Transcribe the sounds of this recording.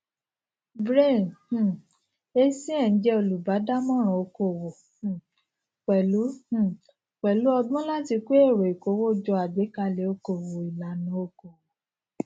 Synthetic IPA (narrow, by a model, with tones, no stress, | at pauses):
bɾe˦˨nh̩˦˨ | e˧sĩ˦ɛ̃˦˨n̩˨˦d͡ʒɛ˧o˧˨lu˨ba˨˦da˦mɔ̃˦ɾ̃ɔ̃˨o˧ko˧˨wõ˨˦˨ | k͡pɛ˨lũ˨˦ | k͡pɛ˨lu˨˦ɔ˧ɡ͡bɔ̃˦la˦ti˧k͡pe˦e˦˨ɾo˨i˨ko˨˦wo˦d͡ʒɔ˧a˨ɡ͡be˨˦ka˧le˨˦o˧ko˨wo˨i˨la˨˦nũ˨˦o˧ko˨wo˨